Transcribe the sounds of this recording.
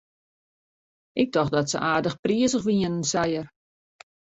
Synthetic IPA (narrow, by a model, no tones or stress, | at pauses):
ʔɪk̚dɔxdɔtsə̰ʔaːdəxpriəzəxʋiənənsajər